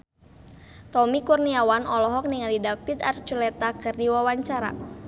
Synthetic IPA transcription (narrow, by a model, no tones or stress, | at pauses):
t̪ɔmikurniawanɔlɔɦɔk̚niŋalidapit̪art͡ʃulɛt̪akɨrdiwawaɲt͡ʃaɾa̰